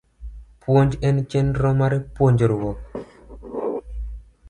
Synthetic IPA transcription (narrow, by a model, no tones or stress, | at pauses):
pwoɲd͡ʒɛnt͡ʃɛnɾɔmaɾepwoɲd͡ʒoɾwɔ